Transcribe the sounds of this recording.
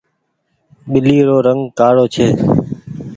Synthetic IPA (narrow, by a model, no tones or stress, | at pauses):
ɓɪliːɾoːɾəŋɡkaːɽoːt͡ʃʰeː